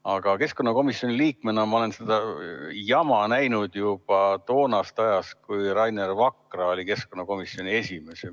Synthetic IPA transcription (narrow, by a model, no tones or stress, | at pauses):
ɑɡ̥ɑke̞sko̞nːɑko̞misːio̞nʲiliːkme̞nɑmɑo̞le̞nsed̪̥ɑjɑmɑnæjnud̪jub̥ɑt̪o̞ːnɑst̪ɑjɑskujrɑjnervɑkrɑo̞lʲike̞sko̞nːɑko̞misjo̞nʲie̞sʲime̞se